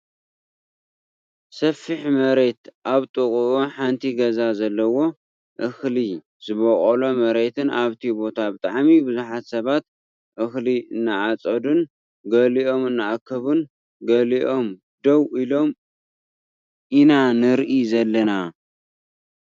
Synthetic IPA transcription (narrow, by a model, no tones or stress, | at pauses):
sɐfːiħmɐɾe̞t̪ʔaβt̪ʼɨkʼuʔuħant̪ʰiɡɐzazɐlːɐwo̞ | ʔɨxli | zɨβɐχʼɐlomɐɾe̞t̪ʰɨnʔaβt̪ʰibo̞t̪ʰabɨt̪ʼaʕmibɨzuħat̪sɐβat̪̚ | ʔɨxliɨnːaʕat͡sʼɐd̪un | ɡɐliʔo̞mɨnːaʔakʰːɐβun | ɡɐliʔo̞m | d̪ɐwʔilo̞m | ʔinanɨɾʔizɐlːɐna